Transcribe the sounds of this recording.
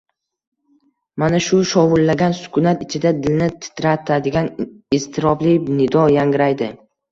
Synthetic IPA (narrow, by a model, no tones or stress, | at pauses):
manaʃʊʃɒwʊlːaɡʲansʊ̥kʰʊnat̪ɪt͡ʃʰɪd̪ad̪ɪlnɪt̪ʰɪ̥t̪ɾat̪ʰad̪ɪɡʲanɪst̪ʰɪɾɒblɪpnɪd̪ɒjaŋɡʲɪɾajd̪ɪ